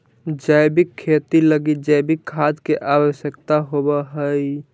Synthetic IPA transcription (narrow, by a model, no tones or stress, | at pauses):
d͡ʒajbikʰːet̪iləɡit̪̚d͡ʒajbikʰːad̪keʔabəsjəkt̪aɦobəɦəj